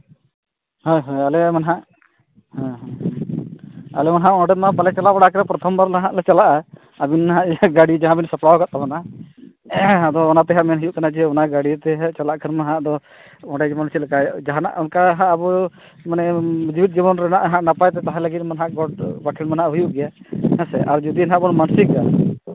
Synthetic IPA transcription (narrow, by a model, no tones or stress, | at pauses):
hɔjɦojalɛmanɦaʔ | hãɦ | a̰lɛmanɦaʔɔ̃ɖɛmapalɛt͡ʃalabaɽakɾɛpɾɔt̪ʰɔmbaɾlaɦãʔlɛt͡ʃalaʔa | abinɦaʔɡaɽid͡ʒaɦãbinsəpɽawɡat̪̚ːamana | ɦãd̪ɔːnat̪ɛɦaʔmɛnɦujuʔkanad͡ʒɛɔnaɡaɽit̪ɛɦɛt͡ʃalaʔkʰənmaɦãʔd̪ɔ | ɔɖɛd͡ʒibɔnt͡ʃʰit̪lkajd͡ʒaɦana̰ʔɔnkaɦãʔabɔ | manɛd͡ʒibit̪̚d͡ʒibɔnɾɛnaʔɦãʔnapajt̪ɛt̪aɦɛ̃ləɡit̪̚manɦaʔɡɔʈ̚bakʰinmanaʔɦujuʔɡɛjaɛ̃sɛʔaɾd͡ʒɔd̪inɦãʔbɔnmansika̰